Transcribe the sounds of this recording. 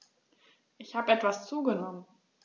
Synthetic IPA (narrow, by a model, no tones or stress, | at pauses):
ʔɪçhaːbəɛtv̥ast͡suːɡənɔmən